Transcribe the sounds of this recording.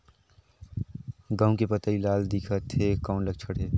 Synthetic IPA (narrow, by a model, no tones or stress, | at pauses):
ɡãːũkepət̪ailaːld̪ikʰət̪ʰːekaʊnləɡ̚t͡ʃʰəɽɦeː